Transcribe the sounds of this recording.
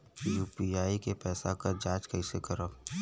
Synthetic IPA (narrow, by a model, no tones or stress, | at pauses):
juːpiaːikepɛːsakaɾd͡ʒaːt͡ʃkəɪsekɐɾaː